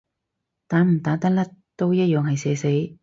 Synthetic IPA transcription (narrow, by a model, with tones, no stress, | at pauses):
t̪aː˨˥nm̩˨˩t̪aː˨˥t̪ɐ˥lɐ˥t̚t̪o˥wjɐ˥t̚jœː˨ŋhɐ˨jsɛː˨˧˥se˨˥j